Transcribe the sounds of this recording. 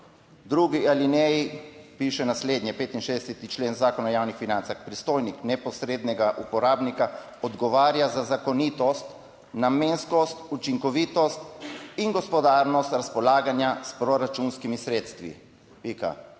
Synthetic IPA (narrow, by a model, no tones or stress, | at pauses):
d̪ɾuːɡialinɛjipiʃɛnasleːd̪nʲjɛpeːt̪inʃeːd̪ɛsɛt̪it͡ʃleːnzaːkɔnajaːwnixfinant̪saxpɾist̪oːjniknɛpɔsɾeːd̪nɛɡaʔupɔɾaːbnika | ɔd̪ɡɔʋaːɾjazazakɔniːt̪ɔst̪ | nameːnskɔst̪ut͡ʃiŋkɔʋiːt̪ɔst̪inɡɔspɔd̪aːɾnɔst̪ɾaspɔlaːɡanjaspɾɔɾat͡ʃunskimisɾeːt̪st̪ʋḭ | pika̰